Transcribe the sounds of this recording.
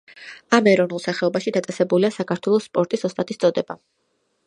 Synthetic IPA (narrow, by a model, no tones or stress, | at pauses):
amɛɾɔvnulˠsaχɛɔbaʃid̪at̪sʼɛsɛbuliasakʰaɾt̪ʰwɛlˠɔsːpʼɔɾt̪ʼisɔst̪ʼat̪ʼist̪sʼɔd̪ɛba